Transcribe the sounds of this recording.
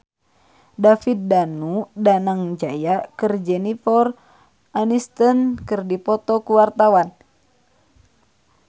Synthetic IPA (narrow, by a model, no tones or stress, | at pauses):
dafit̪̚danudanaŋd͡ʒajakɨrd͡ʒɛnifɔr | anist̪ənkɨrdipɔt̪ɔkuwart̪awan